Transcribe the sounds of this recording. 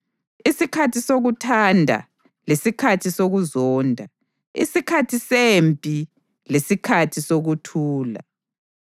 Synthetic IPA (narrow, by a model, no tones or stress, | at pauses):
isikʰatʰisoɣutʰandʱa̰ | lesikʰatʰisoɣuzɔːndʱa | ḭsikʰatʰisempʼi | lesikʰatʰisoɣutʰuːla̰